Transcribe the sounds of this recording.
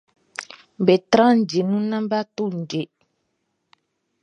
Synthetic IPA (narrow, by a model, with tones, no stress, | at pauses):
bɛ˨tɾã˦n̩˨d͡ʒe˨nũ˦nã˦m˦ba˦to˦˨n̩˨d͡ʒe˨